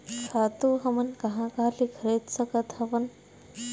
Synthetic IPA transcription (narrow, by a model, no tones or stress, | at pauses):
saːt̪uɦɐmɐnkɐɦãkaːlikʰəɾet̪sɐkɐt̪ɐʋɐn